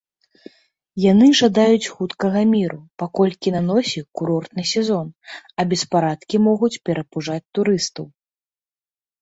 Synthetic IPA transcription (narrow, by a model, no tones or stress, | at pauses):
janɨʐad̪ajut͡sʲxut̪kɐɣɐmʲiɾupakɔlʲkʲinanɔsʲikuɾɔrt̪nɨsʲɛzɔnɐbʲɛspaɾat̪kʲimɔɣut͡sʲpʲɛɾɐpuʐat͡sʲt̪uɾɨst̪ɐw